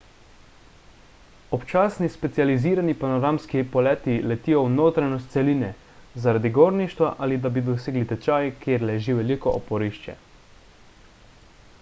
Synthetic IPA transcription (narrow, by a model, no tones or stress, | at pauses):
ɔpt͡ʃaːsnispɛt̪sializiːɾanipanɔɾamskipɔlɛːt̪ilɛt̪iːjɔwnoːt̪ɾajnɔst̪sɛlinɛ | zaɾad̪iɡoːɾniʃt̪ʋaʔalid̪abid̪ɔseːɡlit̪ɛt͡ʃaːjkʰjeːɾlɛʒiʋɛlikɔʔopɔɾiʃt͡ʃɛ̰